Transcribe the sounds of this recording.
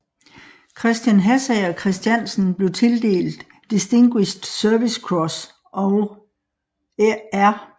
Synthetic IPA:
kʰʁɛsd̥jænɦæsæɒkʰʁɛsd̥jæn̰sn̩b̥le̝ʊt͡sʰe̝ld̥e̝̰ːld̥ːisd̥e̝ŋɡ̥wiɕd̥sœɐʋiskʰʁɒs | ɒʊ | æɐ

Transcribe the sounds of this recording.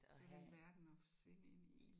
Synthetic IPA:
eæʋæɐd̥n̩ɒfɒ̥̽sʋe̝nəe̝nil

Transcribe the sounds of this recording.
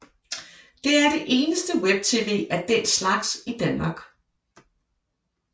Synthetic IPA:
d̥e̝æɐɾ̥e̝ʔe̝ːnəsd̥əweb̥̚t͡sʰiʋeːʔæɐd̥en̰slɑ̈ɡ̥sid̥ænmɑ̈ːɡ̥

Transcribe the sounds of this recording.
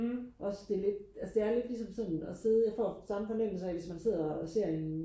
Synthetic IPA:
ʔɒ̽sd̥e̝le̝d̥ælsəd̥e̝æɐle̝d̥lisɒ̽msɒ̽n̰ɒse̝ðˠjɑfɒ̰ːsɑ̈məfɒ̽nem̰l̩sɐæʋe̝smænse̝ð̞̰ˠɐɒse̝ɐ̰e̝n

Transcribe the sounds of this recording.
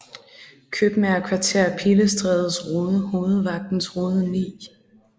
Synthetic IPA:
kʰøb̥meæɐkʰʋɑ̈t͡sʰe̝ɐ̰pʰiləsd̥ʁɛːð̞ˠəsʁoːð̩ˠəho̝ːð̞̩ˠʋɑ̈ɡ̥̚d̥n̩sʁoːð̩ˠnḭː

